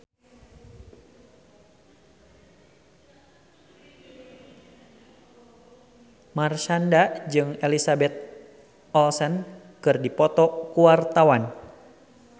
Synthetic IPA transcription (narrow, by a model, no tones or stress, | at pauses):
marʃandad͡ʒɨŋelisabɛt̪̚ | ɔlsən | kɨrdipɔt̪ɔkuwart̪awan